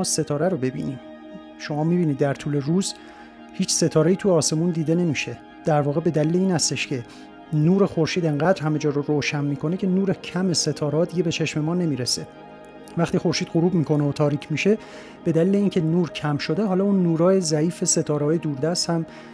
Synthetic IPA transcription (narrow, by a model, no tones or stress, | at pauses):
ɒːse̞t̪ʰɒːɾæɾobe̞bḭːniːm | ʃo̞mɒːmiːbiːnid̪ːæɾt̪ʰuːle̞ɾuːz | hiːt͡ʃse̞t̪ʰɒːɾe̞jiːt̪ʰujɒːse̞mund̪iːd̪e̞ne̞miːʃe̞ | d̪̥æɾvɒːɣe̞be̞d̪æliːle̞iːnhæst̪e̞ʃcʰe̞ | nuːɾe̞xoɾʃiːd̪e̞ŋɢæːd̪ɾhæme̞d͡ʒɒːɾoɾoːʃænmiːkʰo̞ne̞cʰe̞nuːɾecʰæme̞se̞t̪ʰɒːɾehɒːd̪iɟebet͡ʃʰe̞ʃme̞mɒːne̞miːɾese̞ | væxt̪iːxo̞ɾʃiːd̪ɢoɾuːbmiːkʰo̞neot̪ʰɒːɾiːcʰmiʃe̞ | b̥e̞d̪æliːle̞iːncʰe̞nuːɾcʰæmʃo̞d̪e̞ɦɒːlɒːunːuːɾɒːje̞zæiːfe̞se̞t̪ʰɒːɾeɒːjed̪uːɾd̪æst̪hæm